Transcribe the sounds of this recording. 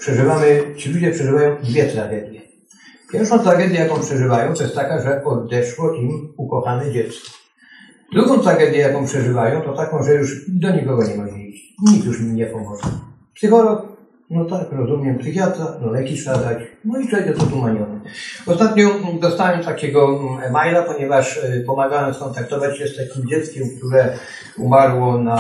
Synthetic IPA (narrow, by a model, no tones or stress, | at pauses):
pʂɛʐɘvamɘt͡ɕilud͡ʑɛpʂɛʐɘvajɔ̃w̃d̪vʲjɛt̪ɾaɡɛd̪ʲjɛ | pʲjɛɾfʂɔ̃w̃t̪ɾaɡɛd̪jɛjakɔ̃w̃pʂɛʐɘvajɔ̃w̃t̪ɔjɛst̪ːakaʐɛɔd̪ɛʂwɔʔimukɔxanɛd͡ʑɛt̪skɔ̥ | d̪ɾuɡɔ̃t̪ɾaɡɛd̪ʲjɛjakɔ̃w̃pʂɛʐɘvajɔ̃w̃t̪ɔt̪akɔ̃w̃ʐɛjuʂd̪ɔɲikɔɡɔɲɛmɔd͡ʑɛit͡ɕ | ɲik̚t̪juʂiɲɛpɔmɔʐɛ̰ | psɨxɔlɔk | nɔt̪akɾɔzumʲjɛmpsɨxʲjat̪anɔlɛkʲiʃsnazat͡ɕnɔiɛɛk̪ɛt̪ɔt̪umaɲɔnɛɔst̪at̪ɲɔ̃d̪ɔst̪awɛmt̪akʲɛɡɔmajlapɔɲɛvaʂpɔmaɡawɛmskɔnt̪akt̪ɔvat͡ɕɕɛst̪akʲimd͡ʑɛt̪skʲɛmk̚t̪uɾɛ | umaɾwɔna